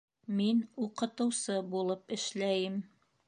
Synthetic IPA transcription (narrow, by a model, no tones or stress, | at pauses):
minuqɤ̆t̪ɤ̆wsɤbulˠɤpɘ̆ʃlæjɘm